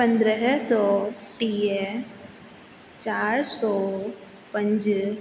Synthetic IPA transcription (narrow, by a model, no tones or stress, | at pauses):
pə̃nd̪ɾəɦsɔːʈiə | t͡ʃaːɾsɔː | pɐ̃ɲd͡ʒ